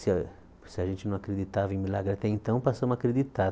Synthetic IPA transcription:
sɪ | sɪɐʒẽnt͡ʃɪnɐ̃w̃akɾed̪it̪avɐẽj̃milaɡɾɪat̪ɛẽnt̪ɐ̃w̃pasoũakɾed̪it̪a

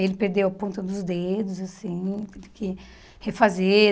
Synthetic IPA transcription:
elɪpeɾd̪ewapõnt̪ɐ̃d̪ʊzd̪ed̪ʊzasĩt̪ẽvɪkɪ | hefaze

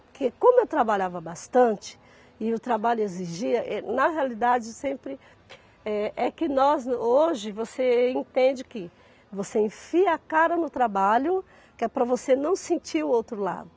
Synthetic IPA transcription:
pokekõmʊewt̪ɾabaʎavɐbast̪ɐ̃t͡ʃɪ̥ | ɪʊt̪ɾabaʎʊeziʒiɐʔɛnɐɦealid̪ad͡ʒɪsẽmpɾɪ | ɛʔɛkɪnɔzoʒɪvoseẽnt̪ẽnd͡ʒɪkɪ | voseĩfiɐɐkaɾɐnʊt̪ɾabaʎʊ | kɪɛpɾɐvosenɐ̃w̃sẽnt͡ʃiɾʊowt̪ɾʊla̰d̪ʊ

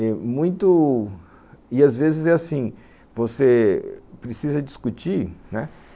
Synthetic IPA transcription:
ɛmũj̃t̪ʊ | ɪazvezɪzɛasĩ | vosepɾesizɐd͡ʒiskut͡ʃiɾnɛ

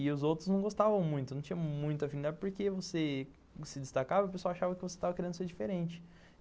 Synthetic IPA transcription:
ɪʊzowt̪ɾʊznɐ̃w̃ɡost̪avɐ̃w̃mũj̃t̪ʊnɐ̃w̃t͡ʃĩɲ̃ɐmũj̃t̪ʊafinid̪aɾpoɾkevose | sɪd̪ɪst̪akavɐʊp̬esowawaʃavɐkɪvose̥st̪avɐkeɾẽnd̪ʊseɾd͡ʒifeɾẽnt͡ʃɪ̥

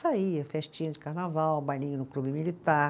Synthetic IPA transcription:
saiɐfɛʃt͡ʃĩʊd͡ʒɪkaɾnavawbajnĩɲʊnʊklubɪmilit̪a

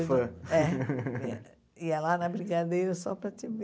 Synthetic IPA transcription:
fɐɛ | iɛlanɐbɾiɡad̪ejɾɐsɔpɾɐt̪ɪv

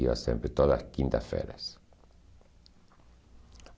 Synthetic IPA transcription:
ia̰sḛmpɾet̪oðaskint̪afḛɾas

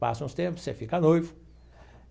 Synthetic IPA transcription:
pa̰sɐ̃ũst̪ẽmpʊ̥sefikanojvʊ

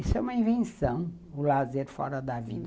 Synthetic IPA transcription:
isɛũmɐĩvẽsɐ̃w̃ | ʊlazeɾfɔ̰ɾɐd̪ɐvḭ̃d̪

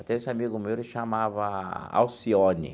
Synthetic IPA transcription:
t̪ɛesɪamiɡʊmewlɪʃamavɐa̰wsionɪ̰

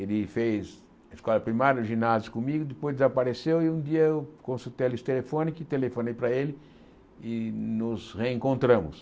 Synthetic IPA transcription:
elɪfejz | ɐiskɔlɐpɾimaɾjɐʊʒinazjʊkõmiɡʊd̪ɪpojzd̪ezapaɾesewɪũd̪iɐewkõsut̪ejlist̪elefõnikɪt̪elefõnejpɾɐelɪ | ɪnʊzʁeẽŋkõnt̪ɾɐ̃mʊ̰s

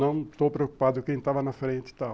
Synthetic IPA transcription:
nɐ̃w̃st̪owpɾeoku̥pad̪ʊkẽj̃t̪avɐnɐfɾẽnt̪ɪ̥t̪aw

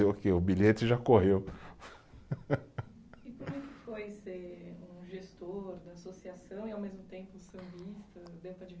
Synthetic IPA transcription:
eokeʊbiʎet͡ʃɪʒakoɦew | ɪpoɾɛkɪfojseũʒest̪oɾd̪ɐːsosiasɐ̃w̃iawmezmʊt̪ẽmpʊsɐ̃bist̪ɐd̪ẽp̪ɐd͡ʒɪ

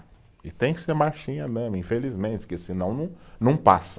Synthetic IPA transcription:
ɪt̪ẽj̃kɪ̥seɾmaʃĩɲɐd̪ɐ̃mĩfelizmẽnt͡ʃɪ̥kɪsɪnɐ̃w̃nɐ̃w̃nɐ̃w̃pas

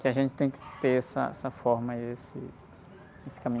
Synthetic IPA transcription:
kɪaʒẽnt͡ʃɪt̪ẽj̃kɪ̥t̪eɛsɐ̰ɛ̰sɐfɔɾmɐiesɪ̰ | esɪ̥kamĩ

